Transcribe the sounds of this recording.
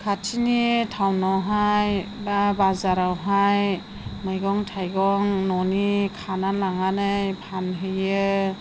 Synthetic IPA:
kʰatʰinitʰawnawɦajbabazaɾawɦaj | mɯjɡɔŋtʰajɡɔŋnɔnikʰanalaŋanɯjpʰanɦɯjɯ

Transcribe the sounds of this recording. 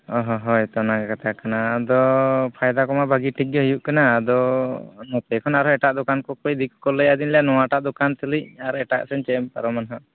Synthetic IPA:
ɔɦɔɦɔjt̪ɔnakkat̪akanaːd̪ɔpʰajd̪akɔmabʱaɡiʈiɡjɔɦəjuʔkanaːd̪ɔnɔp̪ɛkʰɔnaɾɔɛʈaʔd̪ɔkankɔkɔjd̪ikkɔləjad̪inlɛjanɔwaʈaʔd̪ɔkant̪əlicaɾɛʈaʔsɛnt͡ʃɛɛmpaɾɔmanɦaʔ

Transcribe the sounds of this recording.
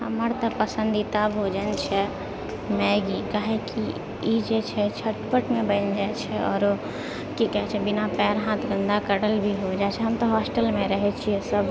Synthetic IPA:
ɦəməɾt̪ɐpəsə̃nd̪it̪abɦod͡ʒənt͡ʃʰɛ | mɛɡikaɦẽki | id͡ʒet͡ʃʰɛt͡ʃʰəʈpəʈmẽbənd͡ʒaet͡ʃʰɛɔ̰ːɾ | kikɛɦt͡ʃʰɛbɪnapɛːɾɦãːt̪ʰɡə̃nd̪akəɽəlbʱiɦod͡ʒat͡ʃʰɛɦəmt̪oɦɔːsʈəlmẽɾəɦɛt͡ʃʰiɛsəb

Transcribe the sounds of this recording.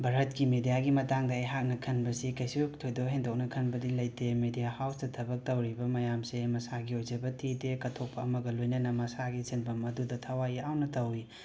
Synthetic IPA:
bʱɐɾɦɐt̚kimedijaɡimɐtaŋdɐɐjɦak̚nɐkʰɐnbɐsikɐjsiktʰojdoɦendok̚nɐkʰɐnbɐdiŋlɐjtemedijahawsdɐtʰɐbɐk̚tɐwɾibɐmɐjamsemɐsaɡiojzɐbɐtʰitekɐtʰok̚pʰɐɐmɐɡɐlojnɐnɐmɐsaɡisenbɐmɐdudɐtʰɐwaiawnɐtɐwi

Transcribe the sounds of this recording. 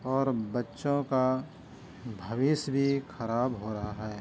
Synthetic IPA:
ɔːɾbɐtːʃõka | bʱɐʋɪsbʱixʰɐɾaːbɦoɾɐɦaɦɛː

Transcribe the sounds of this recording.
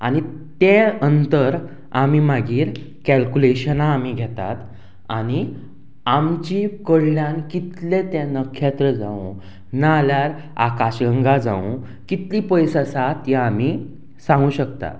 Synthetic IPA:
anit̪enənt̪əɾ | am̤imaɡiːɾ | kælkuleɕənaːm̤iːɡʱɛt̪a̰t̪ | añi | amt͡ɕikəɽljankit̪let̪ɛ̃nəkʰːet̪ɾəd͡zaṵ̃ | naljaɾ | a̰kaɕɡəŋɡad͡zã̰ṵ̃ | kit̪liːpəjsasat̪jaam̤i | sãŋɡũːɕəkt̪a̰

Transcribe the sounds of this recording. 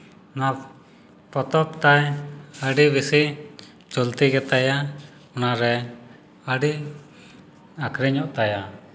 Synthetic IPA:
na | pɔt̪ɔp̚t̪ajəɖibisiʔ | t͡ʃɔlt̪iɡɛt̪aja | ɔnaɾɛ | əɖi | akʰɾɛɲɔʔt̪aja

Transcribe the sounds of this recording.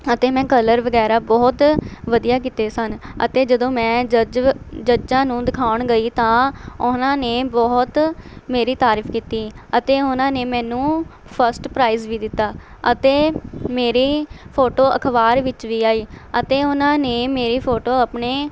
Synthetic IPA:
ət̪eːmɛ̃ːkələɾʋəɡɛːɾaːbɔːt̪ʋəd̪ijaːk̬iːt̪eːsənə̰t̪eːd͡ʒəd̪õːmɛ̃ːd͡ʒəd͡ʒd͡ʒəd͡ʒãːnũːd̪ɪkʰaːʊɳɡəiːt̪ãːʊnãːneːbɔːt̪meːɾiːt̪aːɾiːfʰkiːt̪iːət̪eːʊnãːneːmɛ̃ːnũː | pʰəɾsʈpɾaːiːzʋiːd̪ɪt̪ːaː | ət̪eːmeːɾiːpʰoːʈoːəkʰʋaːɾʋɪt͡ʃʋiːaːiːət̪eːʊnãːneːmeːɾiːpʰoːʈoːapɳeː

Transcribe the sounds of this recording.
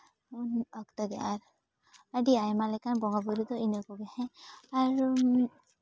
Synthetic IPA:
unɔkt̪ɔd̪ɛaɾ | aɖiajmalɛkanbɔŋabuɾud̪ɔinɔkɔɡɛhɛ̃aɾ

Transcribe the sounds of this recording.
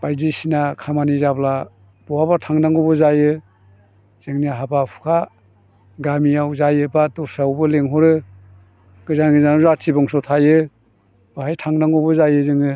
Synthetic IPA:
b̥ajzisinakʰamanizabla | b̥ɔwabatʰaŋnaŋɔbɯzajɯ | z̥ɯŋniɦabapʰu̥kʰa | ɡamijawzajɯbadɔɾsawbɯleŋɦɔɾɯ | ɡ̥ɯzanɡɯzanɔzatʰibɔŋsɔtʰajɯ | b̥aɦajtʰaŋnaŋɔbɯzajɯzɯŋɯ

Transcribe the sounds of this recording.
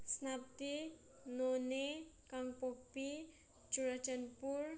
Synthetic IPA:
snap̚t̪i | nonekaŋpopi̥ | d͡ʒ̥uɾḁd͡ʒanpur

